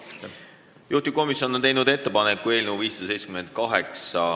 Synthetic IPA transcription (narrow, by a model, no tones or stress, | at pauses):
juht̪iko̞misʲjo̞nːoejnud̪e̞t̪ːepɑnekːˑue̞ːlʲneuviːsɑd̪ɑsej̪se̥kyme̞nd̪̚kɑɦeksɑ